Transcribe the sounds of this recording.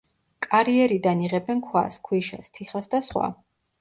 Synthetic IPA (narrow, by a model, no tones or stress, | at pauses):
kʼaɾiɛɾid̪aniʁɛbɛnkʰwa̰skʰwiʃa̰st̪ʰiχasd̪asχwa̰